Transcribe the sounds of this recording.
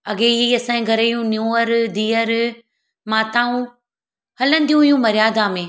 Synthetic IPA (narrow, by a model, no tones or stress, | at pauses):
ɐɡeɐsãĩɡʱɐɾəijũnjuːəɾd̪iːəɾ | maːt̪aːũ | hɐlə̃nd̪ijũɦijũmɐɾɪjaːd̪amẽː